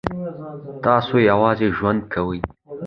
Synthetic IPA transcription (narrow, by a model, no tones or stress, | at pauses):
t̪ɑsojawɑːzeʒwand̪̚kʰawəj